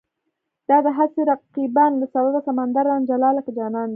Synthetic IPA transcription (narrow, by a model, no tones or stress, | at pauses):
d̪̥ɑd̪əɦaseɾaqiband̪əsawab̪asamand̪aɾand͡ʒalɑlakd͡ʒɑnɑnd̪i